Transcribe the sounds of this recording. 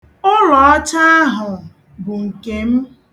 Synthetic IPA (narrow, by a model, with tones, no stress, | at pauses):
ʊ˦ɾɔ˨ɔ˦t͡ʃa˦a˦ɦʊ˨ | bʊ˨ŋ̩˨ke˨m̩˦